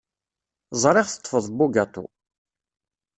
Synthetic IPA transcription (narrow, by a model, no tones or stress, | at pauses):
zˤɾˤɪʁθə̥t̪ˤːfəðˤbuɡæt̪ˤṵ